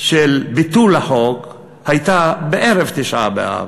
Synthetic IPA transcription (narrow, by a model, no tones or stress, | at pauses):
ʃelbit̪ulaħoɡ | hajt̪abeʔeʁevt̪iʃʔa̰bḛa̰a̰v